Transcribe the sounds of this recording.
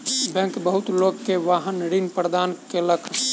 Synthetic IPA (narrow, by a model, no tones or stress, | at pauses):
bɛ̃ŋkbəɦut̪lokːeʋaɦənɾinpɾəd̪ankeləks